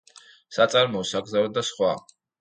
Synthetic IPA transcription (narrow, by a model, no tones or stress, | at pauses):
sat̪sʼaɾmɔːsaɡzavɛd̪asχwa